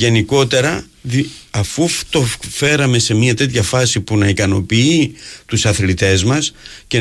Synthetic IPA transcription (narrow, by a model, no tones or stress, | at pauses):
ʝe̞niko̞t̪e̞ɾɐ | ðiɐfut̪o̞fe̞ɾɐme̞se̞miɐt̪e̞t̪çɐfɐsipunɐikɐno̞̰piit̪usɐθlit̪e̞zmɐsce̞